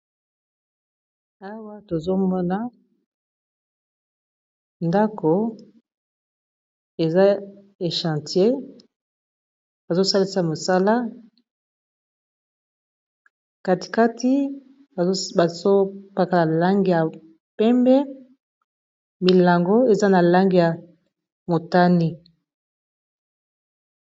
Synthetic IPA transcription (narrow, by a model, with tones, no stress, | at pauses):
a˦wa˦to˨zo˦mɔ˦na˦ | nda˦ko˨ | e˨za˦ | e˨ʃã˨ti˨e˦ | ba˨zo˦sa˦li˦sa˦mo˨sa˦la˦ | ka˨ti̥˨ka˦ti˦˨ | ba˨zo˦pa˦ka˦˨la˨la˦ŋɡi˨ja˨ | pɛ˦mbɛ˦ | mi˨la˨ŋɡo˦e˨za˦na˨la˦ŋɡi˦˨ja˨ | mo˨ta˦ni˦